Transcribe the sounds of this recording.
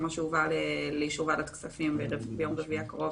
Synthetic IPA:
maʃeuvaleleiʃuvalat̪ksafimbebejo̞mɡavviakaʁo̞v

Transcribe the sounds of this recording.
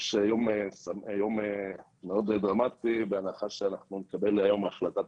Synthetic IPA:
ʃeajo̞mesamajome | meod̪d̪ʁamat̪ibeanaχaʃeanaχnunekabeleajo̞maχlat̪a

